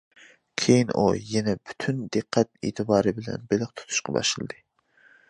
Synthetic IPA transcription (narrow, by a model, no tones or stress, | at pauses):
kʲʰejinujɛnɛby̥t̪ʰynd̪ɨqʰːæt̪ḛːt̪ʰɨbɑːɾɨbɪlɛ̰nbelɪqt̪ʰu̥t̪ʰu̥ʃqʰɑbɑ̰ʃɨlˠɨd̪ɨ